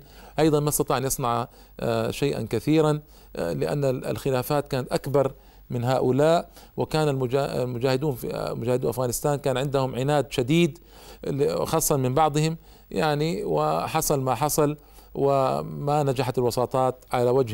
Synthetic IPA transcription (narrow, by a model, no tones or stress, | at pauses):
ʔɑjðˤɑnmaɑst̪ɑt̪ˤiʕanjɨsˤnɑʕ | ʃajʔa̰nkaθiːɾan | lɪʔa̰nːa̰lxɪlaːfaːt̪kaːnat̪ʔakbɑɾˤ | mɪnɦaːʔʊlaːʔ | wɪkaːnalmʊ̰lmʊd͡ʒaːhɪd̪uːnfimʊd͡ʒaːhɪd̪uːnʔafɣaːnɪst̪aːnkaːnʕɪnd̪ahʊmʕɪnaːd̪ʃad̪iːd̪ | xɑːsˤːɑmɪmbɑʕd̪ˤhɪm | jaʕniwɪħɑsˤɑlmaħɑsˤɑl | wɪmanad͡ʒaħat̪ɪlwɑsˤɑːt̪ˤɑːt̪ʕalawad͡ʒh